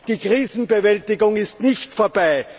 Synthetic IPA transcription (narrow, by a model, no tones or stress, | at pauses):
d̥iːkʁ̥iːzn̩bevɛltɪɡʊŋɪstnɪçtfoːɐbaɪ